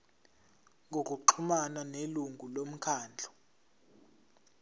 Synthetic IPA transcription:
ŋʱok̬ʼuǃʰumananeluŋɡʱulom̩kʰaːnd͡ɮʱɔ̥

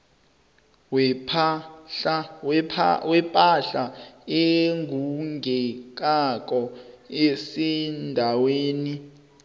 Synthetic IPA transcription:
wp | wɛpʼaɬaeŋɡʱuŋɡʱɛk̬ak̬ʼɔesɛndʱaweːni

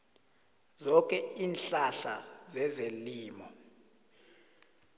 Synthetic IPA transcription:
zɔkʼɛiːnɬaɬazɛzeliːmɔ

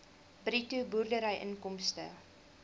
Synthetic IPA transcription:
brituburdəɾəjʔə̰nkɔmstə̰

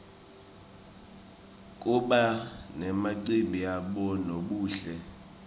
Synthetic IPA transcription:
k̬ʼuɓanɛmaǀimbʱiaɓɔnoɓuːɬɛ

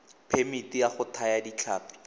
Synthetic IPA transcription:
pʰemitijaχʊtʰajadit͡ɬʰa̰ːpi̥

